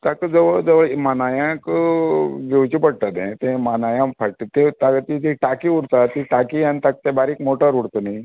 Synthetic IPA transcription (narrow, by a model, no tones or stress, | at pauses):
t̪akəd͡zəʋəɭd͡zəʋəɭmanajãk | ɡewt͡ɕipəɽt̪at̪nãt̪ẽmanajãpaʈit̪et̪aɡt̪it̪iʈakiuɽt̪at̪iʈakiant̪ak̚t̪ebaɾikmoʈəɾuɽt̪əni